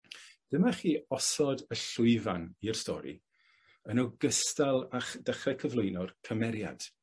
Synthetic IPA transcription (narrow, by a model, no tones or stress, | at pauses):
d̥əmaχiːɔsɔdəɬʊɨvanir̥stɔ̰ɾḭ | ənɔɡəstalˠaχd̥aχɛkʰəvlejnɔrkʰəmɛɾja̰d̥